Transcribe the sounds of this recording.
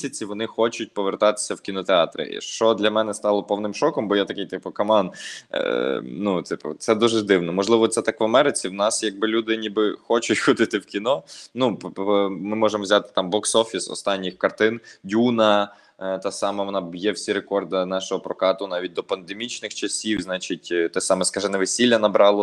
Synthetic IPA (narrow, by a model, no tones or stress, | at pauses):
sʲɐt͡sʲiʋɔnɪxɔt͡ʃʊt̚ʲpɔʋert̪ɑt̪ɪ̥sʲɐwkʲinɔt̪eɑt̪ɾɪ̰ʃt͡ʃɔd̪lʲɐmɛnɛst̪ɑlˠɔpɔwnɪmʃɔkɔmbɔjat̪ɐkɪjt̪ɪpʊkɐmɑn̰ | nut̪ɪpʊ̰t̪sɛd̪uʒɛd̪ɪwnɔmɔʒlˠɪʋɔt̪sɛt̪ɑkʋɐmɛɾɪt͡sʲiwnɑsjɐɡ̚bɪlʲud̪ɪnʲibɪxɔt͡ʃʊtʲxɔd̪ɪt̪ɪwkʲinɔnupmɪmɔʒemʋzʲat̪ɪ̥t̪ɑmbɔksɔfʲisɔ̰st̪ɑnʲːixkɐrt̪ɪndʲunɐ | t̪ɑsɑmɛʋɔnɑbjɛwsʲiɾekɔrd̪ɐnɑʃɔɦɔpɾɔkɑt̪ʊnɑʋʲit̚ʲd̪ɔpɐnd̪emʲit͡ʃnɪxt͡ʃɐsʲiwznɑt͡ʃit̚ʲt̪ɛsɑmɛskɑʒɛnɛʋesʲilʲːɐnɐbɾɑlˠɔ